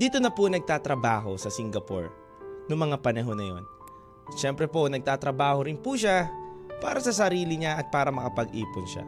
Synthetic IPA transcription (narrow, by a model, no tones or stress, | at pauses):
d̪̥iːt̪onɐponɐɡ̚t̪aːt̪ɾɐbaːɦo̞sɐsɪŋɡɐpo̰ɹ | nʊŋmɐŋapɐnɐɦo̞nːɐjo̞̰n | ʃɛmpɾɛpo̞nɐɡ̚t̪aːt̪ɾɐbaːhoɾɪnpuʃapaːɾɐsɐsɐɾiːlɪɲaʔɐt̪̚paːɾɐmɐkɐpɐɡʔiːpʊnʃa̰